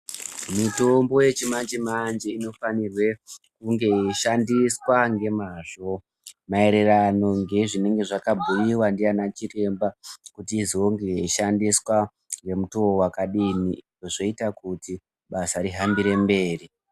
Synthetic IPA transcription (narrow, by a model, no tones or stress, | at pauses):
mito̞mbo̞je̞t͡ʃimand͡ʒemand͡ʒeino̞fanirwe̞kuŋɡe̞iʃandiswaŋɡe̞maʐ̥o̞ | mae̞ɾe̞rano̞ŋɡe̞ʐine̞ŋɡe̞ʐakabʱujiwandianat͡ʃire̞mbakutiːzo̞ŋɡe̞iʃandiswa | ŋɡe̞mutoowakaɗini | oʐo̞itakuti | ɓasaɾiɦambiɾe̞mbe̞ːri